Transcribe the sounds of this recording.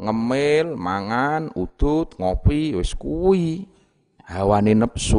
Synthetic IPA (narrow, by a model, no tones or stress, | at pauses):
ŋəmɪlmaŋanud̪̥ʊt̪̚ŋopiwɪskuwi | hawanenəpsu